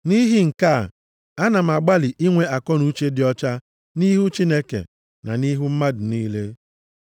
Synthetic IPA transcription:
ni˦ɦi˦ŋ̩˨ka˦˨ | a˦na˨m̩˨a˨ɡ͡ba˦li˨ʔi˦ŋʷe˦a˨kɔ˦nu˦t͡ʃe˦dɪ˨ɔ˦t͡ʃa˦ | ni˦ɦu˦t͡ʃi˦ne˦kḛ˨ | na̰˨ni˦ɦu˦m̩˦ma˦dʊ˨niː˦le˦

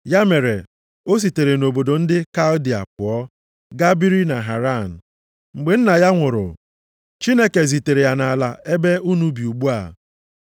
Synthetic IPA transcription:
ja˦me˨ɾe˨ | o˦s̬i˨te˨ɾe˨no˨bo˨do˨n̩˦dɪ˦ka˦ldi˨a̰˨p̚ʊ˨ɔ˦ | ɡa˦bi˦ɾi˦na˨ɦa˨ɾa˦˨n̩˨ | ŋ͡m̩˨ɡ͡be˨˦n̩˦na˨ja˦ŋʷʊ˨ɾʊ̰˨ | t͡ʃi˦ne˦ke˨zi˨te˨ɾe˨ja˨na˨la˨ʔe˦be˦u˦nu˦bi˨u˨ɡ͡bu˦a̰˨

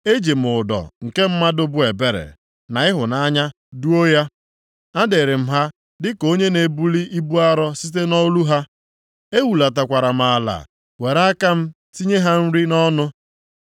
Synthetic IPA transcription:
e˦d͡ʒe˨m̩˨ʊ˨dɔ̰˨ŋ̩˨ke˦m̩˦ma˦dʊ˦bʊ˦e˨be˦ɾḛ˨ | na˨ɪ˦ɦʊ˨na˦ɲa˦ | du˦o˦ja˦ | a˦de˨ɾe˨m̩˦ɦa˦ | dɪ˦ko˦ɲe˦ne˨bu˦li˦ʔi˦bu˦a˦ɾɔ˦si˦t̬e˦nɔ˦lu˦ɦa˦ | e˦wu˨la˨t̬a˨kʷa˨ɾa˨m̩˨a˨la̰˨ | we˨ɾa˦ka˦m̩˦ | ti˦ɲe˦ɦa˦n̩˦ɾi˦nɔ˦nʊ˦

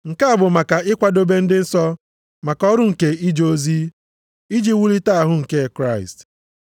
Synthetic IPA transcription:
ŋ̩˨ka˦a˦bʊ˨ma˨ka˨ɪ˦kʷa˦do˦be˦n̩˦dɪ˦n̩˦sɔ˦ | ma˨kɔ˦ɾʊ˦ŋ̩˨ke˨i˦d͡ʒo˦zi˦ | i˦d͡ʒi˦wu˦ɾi˦ta˦a˨ɦʊ˦ŋ̩˨ke˦˨kɾa˦˨ɪ̰˨st

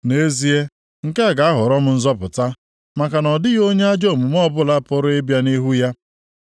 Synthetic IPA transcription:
ne˦zi˦e˦ | ŋ̩˨ke˦a˨ɡa˨a˦ɦʊ˨ɾɔ˦m̩˦n̩˦zɔ˦pʊ˨ta˦ | ma˨ka˨nɔ˨dɪ˦ɣo˦ɲe˦a˦d͡ʒo˦˨mu˨m˦ɔ˦˨bʊ˦la˦pʊ˦ɾʊ˦e˦bja˦ni˦ɦu˦ja˦

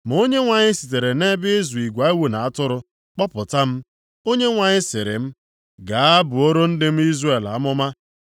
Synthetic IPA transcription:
m˨o˦ɲe˦ŋʷa˨ɲɪ˦si˨t̬e˨ɾe˨ne˦bɪ˦zu˨i˨ɡʷa˨i˦wu˦na˨a˦tʊ˦ɾʊ˦ | k͡pɔ˦pʊ˨ta˦m̩˦ | o˦ɲe˦ŋʷa˨ɲɪ˦sɪ˨ɾɪ̰˨m̩˦ | ɡa˨a˦bʊ˨o˦ɾo˦n̩˦dɪ˦m̩˦i˦zre˦˨la̰˨˦mʊ˦ma˦

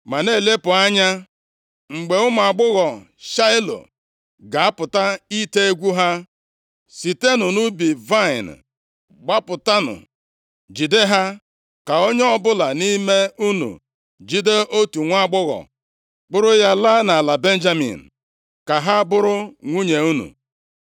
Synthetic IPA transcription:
ma˨ne˦˨le˦pʊ˨a˦ɲa˦ | ŋ͡m̩˨ɡ͡be˨ʊ˦m˨a˨ɡ͡bʊ˦ɣɔ˨ | ʃa˦ɪ˦lo̰˨ | ɡa˨a˦pʊ˨ta˦i˦te˦e˦ɡʷu˦ɦa˦ | si˨te˦nʊ˨nu˦bi˨va˦ɪ˨n˨ | ɡ͡ba˦pʊ˨ta˦nʊ̰˨ | d͡ʒi˨de˦ɦa˦ | ka˨o˦ɲ˦ɔ˦bʊ˦la˨ni˦me˦u˦nṵ˨ | d͡ʒi˦de˦ʔo˦tu˨ŋʷ˦a˦ɡ͡bʊ˦ɣɔ̰˨ | k͡pʊ˦ɾʊ˦ja˦la˦na˨la˨be˦n̩˦d͡ʒa˦mḭ˨n̩˨ | ka˨ɦa˦bʊ˦ɾʊ˦ŋʷu˦ɲe˨u˦nṵ˨

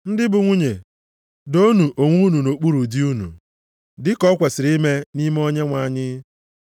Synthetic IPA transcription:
n̩˦dɪ˦bʊ˨ŋʷu˦ɲe˨ | do˦nu˨ʔo˨ŋʷu˦nu˨no˨k͡pu˦ɾu˨di˦u˦nṵ˨ | dɪ˦kɔ˦kʷe˨sɪ˨ɾi˦me˦ni˦m˦o˦ɲe˦ŋʷa˨˦˨ɲɪ˦

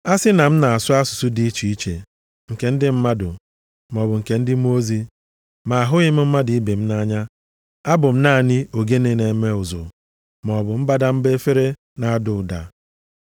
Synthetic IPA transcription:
a˦sɪ˦na˨m̩˦na˨a˨sʊ˦a˦sʊ̥˨sʊ˦di˦i˦t͡ʃi˨i˦t͡ʃḛ˨ | ŋ̩˨ke˨n̩˦dɪ˦m̩˦ma˦dʊ̰˨ | m˨ɔ˨bʊ˨ŋ̩˨ke˨n̩˦dɪ˦m˦o˦zi˦ | ma˨a˨ɦʊ˦ɲɪ˦m̩˦m̩˦ma˦dɪ˨i˦be˨m̩˦na˦ɲa˦ | a˦bʊ˨m̩˦na˦˨nɪ˦o˨ɡe˦ne˦ne˨˦me˦ʊ˨zʊ̰˨ | m˨ɔ˨bʊ˨m̩˦ba˦da˦m̩˦be˦fe˦ɾe˦ | na˨a˦dʊ˨da̰˨

